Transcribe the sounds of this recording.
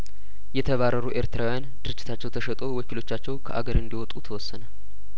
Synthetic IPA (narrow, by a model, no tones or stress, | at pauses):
jɛt̪ʰəβaɾːəɾuʔe̞ɾt̪ʰɨɾawjand̪ɨɾɨd͡ʒːɪt̪ʰat͡ʃːɛwt̪ʰəʃɛt̪ʼo̞wɔkilo̞t͡ʃːat͡ʃːɛwkʰəʔa̰ɡəɾɨnd̪iwɔt̪ʼut̪ʰəwɔsːənə